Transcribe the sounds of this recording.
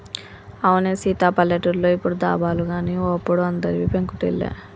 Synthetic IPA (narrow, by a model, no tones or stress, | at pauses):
ɐʋuneːsiːt̪aːpɐlːeʈuɾloːipːuɽud̪a̰ːbaːluɡaːniːoɐpːuɽuɐnd̪ɐɾiʋipeŋkuʈḭlːḛː